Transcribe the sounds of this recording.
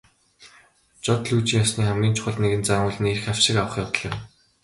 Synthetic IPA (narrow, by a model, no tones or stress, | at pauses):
t͡ɕɔt̪ɮujt͡ɕiːŋjɔsniːχæmɡʲiːnt͡ɕʰʊ̥χə̆ɮt̪neɣɘ̆nt͡saːŋʊːɮɘ̆nerxawʃɪ̆kawə̆χjawt̪ə̆ɮɪ̆m